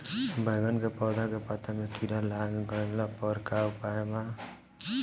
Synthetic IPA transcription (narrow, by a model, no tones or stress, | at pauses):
bʱʌjɡʌnkepɔd̪ʱakepat̪ʰːamekiɾalaɡɡʌlapɔɾkawpaeba